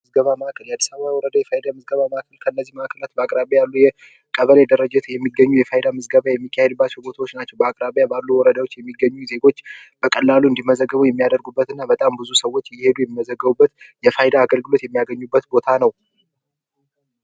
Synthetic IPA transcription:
ɨzɡəβaməʔakʰəljad̪ːə̥saβawjwɔɾəd̪ajɛfajd̪amɨzɡəβaməʔakʰəlkʰəɨnːəzːihməʔakʰəlat̪bəakʼɾaβjajalːujɛ | kʼəβəled̪əɾəd͡ʒɛt̪ʰjɛmːiɡəɲːujɛfajd̪amɨzɡəβajɛmːikːjahed̪bːat͡ʃːɛwbo̞t̪ʰawot͡ʃːnat͡ʃːɛwbəakʼɾaβejabalːuwɔɾəd̪awo̞t͡ʃːjɛmːiɡːəɲːuze̞ɡo̞t͡ʃːb̥əkʼəlːaluɨnd̪imːəzəɡːəβujɛmːijad̪əɾɡubːət̪ɨnːabət̪ʼambɨzusəwːo̞t͡ʃːjɪhe̞d̪ujɛmːiməzəɡːəβubːət̪jɛfajd̪aːɡəlɡɨlo̞t̪jɛmːijaɡəɲːubːət̪bo̞t̪ʰanəw

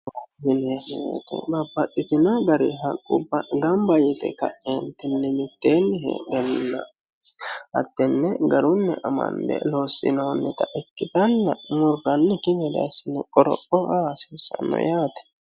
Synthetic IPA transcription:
wɐhɪnehḛt̪ɛ̰bɐbːɐt̪ʼːɪt̪ɪnɐɡɐɾiɦɐkʼːʊbːɐɡɐmbɐjɛt̪ɛ̰kɐ̰ʔʼeːnt̪ɪnːɛmɪt̪ːeːnːɪhḛd̪ɛlɪnːɐ̰ | hɐ̰t̪ːɛnːɛɡɐɾʊnːɛʔɐmɐ̰nd̪ɛ̰loːsːɪ̰noːnːɛt̪ɐʔɛkːɪt̪ɐnːɐmʊɾɡɐnːɛkɪmɛd̪ɐ̰sɪnːɛkʼɔɾɔ̰ʔɔʔasɪnsːɐ̰nːɔ̰jaːt̪ɛ̥

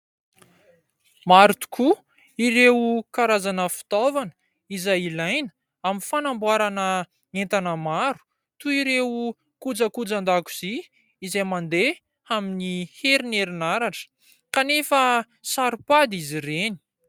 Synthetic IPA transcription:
maɾt̪u̥ku | iɾewukaɾazanəfi̥t̪ovanə̥ | izajilajnə̥ | aminfanambwaɾanə | ent̪anəmaɾu̥ | t̪uiɾewu | kud͡zəkud͡zand̪aku̥z̥i | izejmand̪e | aminiheɾineɾinaɾaʈ͡ʂə̥ | kanefə | saɾupad̪izireni̥

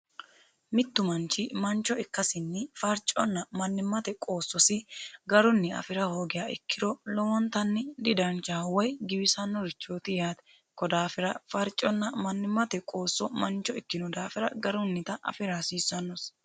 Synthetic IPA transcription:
mɪt̪ːʊmɐnt͡ʃːɪmɐnt͡ʃːɔɪkːɐsɪnːɪfɐɾt͡ʃʼːɔnːɐmɐnːɪmːɐt̪ɛkʼo̞ːsːɔsɪɡɐɾʊnːɪɐ̰fɪɾɐhoːɡɪjaːɪ̰kːɪd̪ɔlɔwɔnt̪ɐnːɪd̪ɪd̪ɐnt͡ʃawɔjɡɪbɪsɐnːɔɾɪt͡ʃːoːt̪ɪjaːt̪ɛ | kɔd̪aːfɪɾɐfɐɾt͡ʃʼɔnːɐmɐnːɪmːɐt̪ɛkʼo̞ːsːɔmɐnt͡ʃːɔɪkːɪnɔd̪aːfɪɾɐɡɐɾʊnːɪt̪ɐʔɐ̰fɪɾasiːsːɐnːɔs

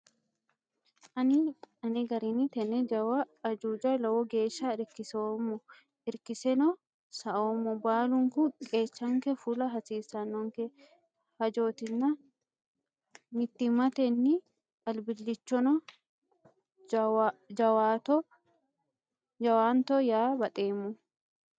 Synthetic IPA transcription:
ʔɐnɪɐnɪɡɐɾinɪt̪ɛnɛd͡ʒɐwɐːd͡ʒuːd͡ʒɐlɐwɔɡeːʃaːɪɾkɪsoːmːɔ | ɪɾkɪsɛnɔ | sɐʔoːmːɔbaːlʊŋkʊkʼeːt͡ʃːɐŋkɛfulɐɦɐsiːsɐnːɔŋkɛ | hɐd͡ʒo̞ːt̪ɪnːɐ | mɪt̪ːɪmɐt̪ɛnːɪ | ɐlbɪlːɪt͡ʃːɔnɔ | d͡ʒɐwaːt̪ɔ | d͡ʒɐwaːnt̪ɔjaːbɐt̪ʼeːmːʊ

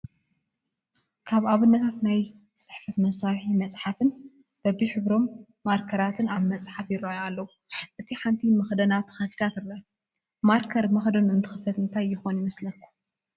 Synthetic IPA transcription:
kʰaβaβɨnːɐt̪ʰat̪naj | t͡sʼɨħfɐt̪mɐsɾaħimɐt͡sʼħafɨn | b̥ɐbiħɨβɾo̞mː | aɾkʰɐɾat̪ʰɨnaβmɐsʼħafjɪɾːajoalːɐwu | ʔɨt̪ʰiħant̪ʰimɐxd̪ɐnat̪ʰɐ̥xafi̥t̪ʰat̪ɨɾɐ | maɾkʰɐɾmɐxd̪onɨnt̪ʰɨxɨfɐt̪ɨnt̪ʰajːɪxo̞njɪmɐslɐkʰːu̥

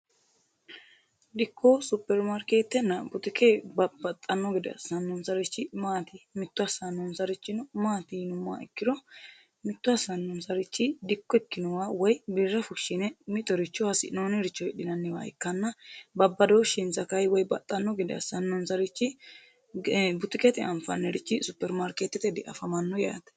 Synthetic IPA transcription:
d̪ɪkʰːosʊpːɛɾmaɾkeːt̪ːɛnːɐɡʊt̪ɪkʰeːbbɐt̪ʼːɐnːɔɡɪd̪ɛɐ̰sɐnːɔnsɐɾɪt͡ʃːɪmaːt̪ɪmɪt̪ːʊɐsɐnːɔnsɐɾɪt͡ʃːɪnɔmaːt̪ɪnʊmːa̰ːɛ̰kːɪd̪ɔ | mɪt̪ːʊɐsɐnːɔnsɐɾɪt͡ʃːɪd̪ɪkːɔɛkːɪnɔwawɔjbirːɐfʊʃːɪnɛmɪt̪ʼːɔɾɪt͡ʃːɔhɐsɪ̰noːnɛɾɪt͡ʃːɔɛɗɪnɐnːɛwa̰ɛ̰kːɐnːɐbɐbːɐd̪oːʃɪnzɐkɐjwɔjbɐ̰t̪ʼːɐnːɔɡɪd̪ɛɐ̰sɐnːɔnsɐɾɪt͡ʃːɪ | bʊt̪ɪkʼɛt̪ɪʔɐmfɐ̰nːɛɾɪt͡ʃːɪsʊpːɛɾmaɾket̪ːɛt̪ɛd̪ɛʔɐ̰fɐmɐnːɔja̰ːt̪ɛ̥

